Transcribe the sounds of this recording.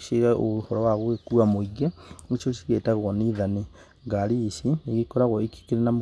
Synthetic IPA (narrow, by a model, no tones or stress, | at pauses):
ʃeɣaʔohɔɾɔwaɣwekuamoiɡeŋiʃoʃi̥ɣetaɣɔniðani | ɡaɾisineɣikɔɾaɣɔiki̥keɾenam